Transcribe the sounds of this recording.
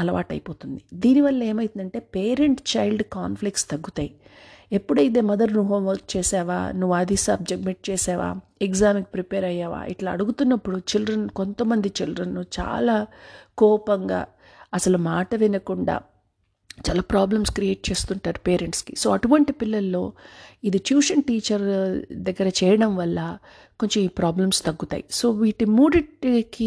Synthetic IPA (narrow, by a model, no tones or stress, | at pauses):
ɐlɐʋaːʈɐ̰jipo̞ːt̪und̪id̪iːniʋɐlːɐe̞ːmɐjt̪und̪ɐɳʈe̞ːpe̞ːɾe̞ɳʈt͡ʃɐjlɖkaːnplikʈst̪ɐɡːut̪aːjie̞pːuɽɐjid̪e̞ːmɐd̪ɐɾnuɦoːmʋɐɾk̚t͡ʃeːsaːʋa̰ːnuʋːuad̪isɐb̚d͡ʒɐɡmeʈ̚t͡ʃeːsaːʋa̰ːekzaːmkipɾipeːɾɐjaːʋa̰ːʔḭʈlaːɐɽuɡut̪unːɐpːuɽut͡ʃildɾɐnko̞nt̪ɐmːɐnd̪it͡ʃildɾɐnːut͡ʃa̰ːlaːkɔːpɐŋɡa̰ː | ɐsɐlumaːʈɐʋinɐkuɳɖa̰ː | t͡ʃaːlaːpɾaːblɐmskɾieːʈ̚t͡ʃe̞ːst̪uɳʈaːɾupeːɾeɳʈski̥so̞ːɐʈuʋɐɳʈipilːɐlːo̞ːid̪iʈjuːʂɐnʈiːt͡ʃɐɾd̪ɐɡːɐɾɐt͡ʃɛːjɐɽɐmʋɐlːɐ | ko̞ɲt͡ʃomiːpɾaːblɐmst̪ɐɡːut̪a̰ːjiso̞ːʋiːʈimuːɖiʈki